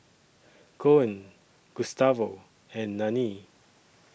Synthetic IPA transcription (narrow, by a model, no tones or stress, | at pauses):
kʰoə̃n | ɡ̥ustavo | ɛ̃nːãni